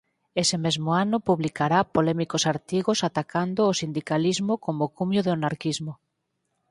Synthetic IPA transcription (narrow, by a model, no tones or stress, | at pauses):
esemezmoanʊpuβlikaɾapolɛmikosaɾt̪iɣosat̪akʰand̪ʊːsind̪ikalizmokomokumjoðeonaɾkizmo